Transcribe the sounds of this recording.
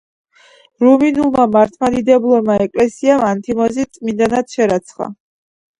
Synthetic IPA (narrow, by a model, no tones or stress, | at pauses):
ɾuminulˠmamaɾt̪ʰmad̪id̪ɛblˠɔmaɛkʼlɛsiamant̪ʰimɔzit̪sʼmind̪anat̪ʃɛɾat̪sʰχa̰